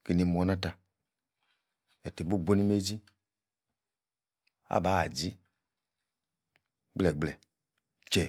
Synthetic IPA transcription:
ki˨ni˨mɔ˨˦nã˦ta˨ | ɛ˨te˨bo˦ɡ͡bo˦ni˦me˦d͡ʒi˦ | a̰˦ba˨˦a˨d͡ʒi˦ | ɡ͡blɛ˨ɡ͡blɛ˨ | t͡ʃɛ˨

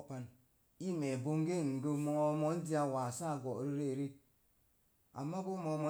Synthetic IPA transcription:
pa˨n | i˦mɛ˨bo˦ŋɡe˦ŋ̩˨ɡə˦mɔ˦mo˦n̩˦di˦a˦˨wa˨sa˦˨ɡɔ˨ʔɾi˦ɾe˦˨ɾi˦ | a̰˨mːa˦bu˦mo˨˦mo˨˦

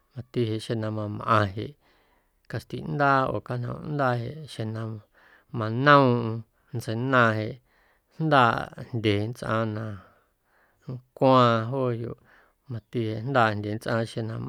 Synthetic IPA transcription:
mã˧t̪i˧he˧˨ʃe˧˨nã˧mã˧m˧ʔã˧ɦe˧˨ʔ | ka˧st̪i˨nd̪a˦o̰˨ka˧n̥ã̰˧˨ṵ̃˧nd̪a˦ɦe˨ʔʃe˧nã˧ | mã˧nã˦ũ˧ʔũ˧ | nt͡se˧nã˧ɦe˧ʔ | n̥d̪aː˦˧˨nd̪ʲe˨nt͡sʔã̰˧nã˧ | ŋkʷã˧ɦo˦jo̰˧˨ | mã˧t̪i˧he˨n̥d̪aː˦˧˨nd̪ʲe˨nt͡sʔã˧ʃe˧nã˧m

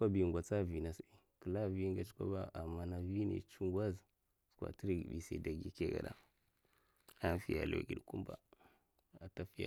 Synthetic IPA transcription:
kʷa˦bi˨ŋɡʷa˨t͡sa˦vi˨na˨si˨ | kə˨la˦vi˦ŋɡa˨t͡ʃi̥˦kʷa̰˦ba̰˦a˨mːa˦na˨vi˦nḭ˨t͡ʃu˦ŋɡʷa˦z | skʷa̰˨ti˦ɾi˦ɡbḭ˨sa̰˨da˨ɡi˦ke˦ɡa̰˨ɗa̰˦ | a˦n˦fi˦ja̰˨lo̰˨ɡḭ˨ɗku˦mba̰˨ | a˨ta˦fi˦ja̰˨

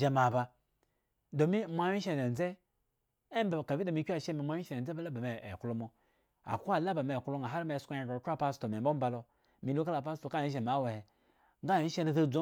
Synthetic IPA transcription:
d͡ʒe˨ma˨ba˨ | do˨mi˦mʷa˦wi˦ʃe˦˨e˨n˨ze˦ | e˦m˦ba˨ka˨vi˦do˨mi˦kʲʷa˦˨ʃe˦mi˨mʷa˦i˦ʃe˨e˨˦e˦ba˦la˦ba˨me˨ḛ˨ku˦lo˦mo˨ | a̰˨ku˦a˦˨la˦ba˨me˨ku˦lo˦ŋa˨ɦa˦ɾme˨skʷa˦a˨ka˨kʲʷa˦pa˦sto˨m˨e˨bo˦ba˨lo˨ | mi˨lu˦ka˦la˨pa˦s̬to˨ka˦˨i˦ʃ̬e˨ma˨˦we˨he˨ | ŋɡa˦˨i˦ʃe˦na˨za˦d͡zo˦

